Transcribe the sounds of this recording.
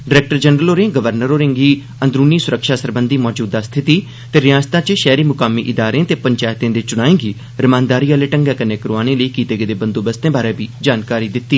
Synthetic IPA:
ɖɪɾɛːk̚ʈəɾd͡ʒənɾəloːɾẽːɡəʋəɾnəɾoːɾɪ̃ːŋɡiː | ə̃nd̪ɾuːniːsʊɾəkʃaːsəɾbənd̪iːmɔːd͡ʒuːd̪aːst̪ʰɪt̪iː | t̪eːɾɪjaːst̪ãːt͡ʃʃɛːɾiːmʊkaːmiːʔɪd̪aːɾẽt̪eːpəɲt͡ʃaːjt̪ẽːd̪eːt͡ʃʊɽ̃aːẽːɡiː | ɾəmãːnd̪aːɾiːaːleːʈəŋɡɛːkəneːkəɾoaːnẽːləiːkiːt̪eːɡed̪eːbənd̪oːbəst̪ẽːbaːɾeːbiːd͡ʒaːnkaːɾiːd̪ɪt̪ːiː

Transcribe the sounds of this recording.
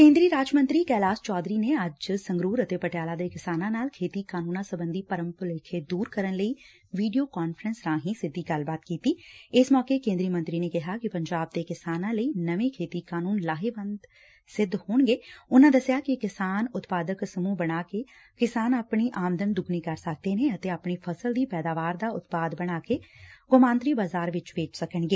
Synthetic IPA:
kẽːnd̪ɾiːɾaːd͡ʒmə̃nt̪ɾiːkɛːlaːst͡ʃɔːd̪ɾiːneəd͡ʒsə̃ŋɡɾuːɾət̪eːpəʈjaːlaːd̪eːkɪsaːnãːnaːlkʰeːt̪iːkaːnũːnãːsəbə̃nd̪ʱiːpəɾəmpəleːkʰed̪uːɾkəɾənləiː | ʋiːɖijoːkaːnfɾənsɾãːɦĩsɪd̪ʱːiːɡɐlbaːt̪kiːt̪iːɪsmɔːkekẽːnd̪ɾimə̃nt̪ɾinekɪɦakipə̃ɲd͡ʒaːb̚d̪ekɪsaːnãːləiːnəʋẽːkʰeːt̪iːkaːnuːnlaːɦeːʋənd̪ | sɪd̪hoːɳɡeːʊnãːd̪əsjaːkɪkɪsaːnʊt̪paːd̪əksəmũːbəɽ̃aːke | kɪsaːnapɳiːʔaːmd̪ənd̪ʊɡniːkəɾsək̚d̪eːnẽət̪eːaːpɳiːpʰəsəld̪iːpɛːd̪aːʋaːɾd̪aːʊt̪paːd̪bəɽ̃aːkeːɡʊmãːnt̪ɾiːbaːzaːɾʋɪt͡ʃʋeːt͡ʃsəkəɳɡeː

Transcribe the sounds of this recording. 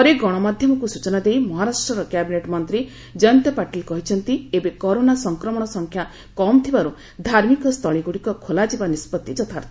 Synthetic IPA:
ɔɾeɡɔɽ̃ɔmad̪ʱjɔmɔkusut͡ʃɔnad̪ejmɔɦaɾasʈɾɔɾɔkjabineʈmɔnt̪ɾi | d͡ʒɔnt̪ɔpaʈilkɔɦit͡ʃʰɔnt̪iebekɔɾonasɔŋkɾɔmɔɽ̃ɔsɔŋkʰja | kɔmt̪ʰibaɾu | d̪ʱaɾmikɔst̪ʰɔɭ̃iɡuɽikɔkʰolad͡ʒibanispɔt̪ːid͡ʒɔt̪ʰaɾt̪ʰi

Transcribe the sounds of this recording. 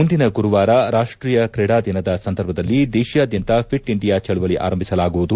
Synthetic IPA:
und̪inɐɡuɾuʋaːɾɐɾaːʂʈɾiːjɐkɾɛɽaːd̪ʱinɐd̪ɐsɐnd̪ɐɾbʱɐd̪ɐlːid̪ɛːʃjaːd̪jɐnt̪ɐpʰiʈiɳɖijaːt͡ʃɐɭuʋɐɭiʔa̰ːɾɐmbʱisɐlaːɡuʋud̪u

